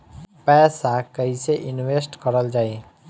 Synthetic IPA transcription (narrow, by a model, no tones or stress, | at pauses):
pɛːsakəɦiseʔɪnweːsʈkəɾəld͡ʒaːe